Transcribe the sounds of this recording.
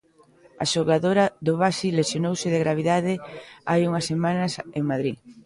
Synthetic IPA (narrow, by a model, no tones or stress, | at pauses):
a̰ʃoɣaðoɾɐðʊβasilesjonowsɪðeɣɾaβ̞iðaðɪajuŋɐsːemãnɐseŋmaðɾi